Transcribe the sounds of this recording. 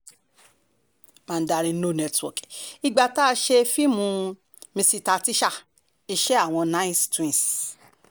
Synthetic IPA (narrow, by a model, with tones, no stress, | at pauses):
mã˧n̩˦da˧ɾĩ˧˦no˦˨nɛ˧twɔ̰˨ki˧ɡ͡ba˧ta˦˧ʃe˧fi˦mũ˧ | mĩ˧si˧ta˧ti˦ʃa˦˨ | i˧ʃe˦a˦˨w̃ɔ̃˧nã˦i˦stĩ˦˨s